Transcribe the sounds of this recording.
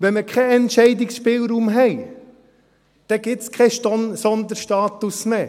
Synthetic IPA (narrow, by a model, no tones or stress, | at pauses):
ʋɛnmekʰɛɛntʃɛɪd̪ɪksʃpɪːlɾumɦɛɪ | d̪̥ɛɡ̥ɪt̪skʰɛʃsɔnd̪əɾʃtɑːt̪usmeː